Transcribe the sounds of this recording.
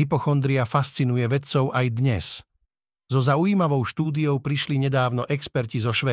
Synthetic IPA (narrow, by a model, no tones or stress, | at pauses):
ipɔxɔnd̪ɾiafast͡sinujɛʋɛt͡sɔʊʔajd̪ɲɛs | zɔzaujiːmaʋɔʊʃt̪uːd̪ijɔʊpɾiʃliɲɛd̪aːʊnɔʔɛkspɛɾcizɔʃʋɛː